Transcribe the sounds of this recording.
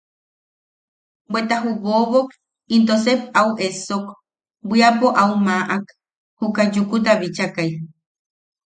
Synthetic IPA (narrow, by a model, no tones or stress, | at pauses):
bwet̪aɦuβoβok | int̪osep̚auʔesok | bʷiapoʔaumaʔak | hukad͡ʒukut̪aβit͡ʃakaj